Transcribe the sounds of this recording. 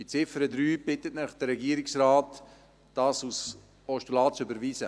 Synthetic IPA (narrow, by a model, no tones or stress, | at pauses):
d̥it͡sɪfəɾədɾyːbɪtətnɪχd̥əɾɛɡiəɾɪksraːtː | ɑːsus | ɔʃtulaːt͡sʏbəɾviːsə